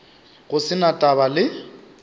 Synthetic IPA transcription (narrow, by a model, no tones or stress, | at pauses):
ɣʊsɪnatʼaβalɪ